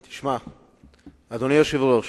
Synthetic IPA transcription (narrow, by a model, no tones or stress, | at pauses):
t̪i̥ʃma | ad̪onijoʃivloʃ